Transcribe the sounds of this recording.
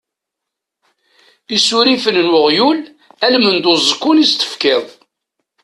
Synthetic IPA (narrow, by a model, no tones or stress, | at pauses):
isuɾifənnwəʁjul | ælmənd̪ozˤəkːʊnist̪ə̥fkɪðˤ